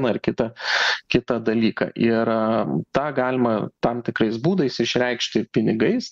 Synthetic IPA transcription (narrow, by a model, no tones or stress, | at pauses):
nɐɪrkʲɪt̪ɐkʲɪt̪ɐd̪ɐlʲiːkɑ̰ʔɪɾt̪ɑːɡɑːlʲɪmɐt̪ɑmt̪ʲɪkɾɐɪsbuːd̪ɐɪsɪʃʲɾʲɛɪkʃʲt̪ʲɪpʲɪnʲɪɡɐɪs